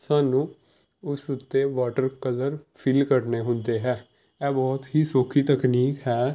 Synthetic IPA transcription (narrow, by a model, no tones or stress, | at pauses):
saːnũː | ʊsʊt̪ːeːʋaːʈəɾkələɾpʰɪlkəɾneːɦʊ̃nd̪eːɦɛː | ɛːbɔːt̪ɦiːsoːkʰiːt̪əkniːkɦɛː